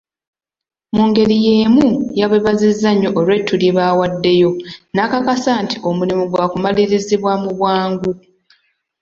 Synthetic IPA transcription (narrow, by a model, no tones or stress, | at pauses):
muːŋɡe̞ɾije̞ːmujaβeβazizːaɲːoʔolwe̞tʰːuɾjeβawadːe̞jo̞nakakasaːntio̞mulimuɡwaːkumaliɾiziβwamuβwaːŋɡu